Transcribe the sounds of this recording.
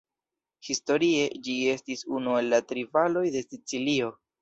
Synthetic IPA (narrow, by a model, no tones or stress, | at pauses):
histo̞ɾie̞d͡ʒie̞stisunue̞lːatɾivalo̞jde̞sit͡silio̞